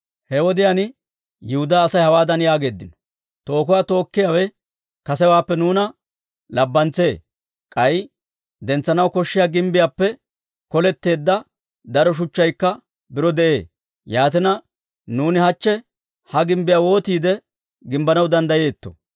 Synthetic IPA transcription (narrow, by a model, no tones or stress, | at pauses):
hɛwɔd̪ɪjan | jɪhʊd̪aːsɐjhɐwaːd̪ɐnjaːɡe̞ːd̪ːɪnɔ̥ | t̪o̞ːkʊwaːt̪o̞ːkːɪjawɛ | kɐsɛwaːpːɛnuːnɐ | lɐbːɐnt͡se̞ː | kʼɐj | d̪ɛnt͡sːɐnɐwkɔʃːɪjaːɡɪmbɪjaːpːɛ | kɔlɛt̪ːe̞ːd̪ːɐ | d̪ɐɾɔʃ̬ʊt͡ʃːɐjkːɐ | bɪɾɔd̪ɛʔe̞̰ː | jaːt̪ɛnɐ | nuːnɪhɐt͡ʃːɛ | hɐɡɪmbɪjaːwo̞ːt̪iːd̪ɛ | ɡɪmbɐnɐwd̪ɐnd̪ɐje̞ːt̪ːɔ̥̰